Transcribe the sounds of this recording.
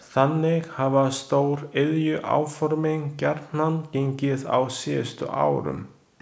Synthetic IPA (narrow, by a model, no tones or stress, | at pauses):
θanːɪxhavast̪oːwɾɪðjʏʔa̰ːwfɔɾmɪŋcaɾt̪nanceɲcɪða̰wsɛst̪ʏ̰ʔa̰ːwɾʏ̰m